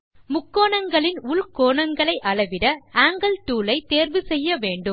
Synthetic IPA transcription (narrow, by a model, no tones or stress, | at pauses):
mʊkːoːɳɐŋɡɐɭɪnʊɭkoːɳɐŋɡɐɭɐɪʔɐɭɐʋɪɾɐaːŋɡɐɭt̪uːlɐɪt̪eːɾʋɯsɛjːɐʋeːɳɖɯm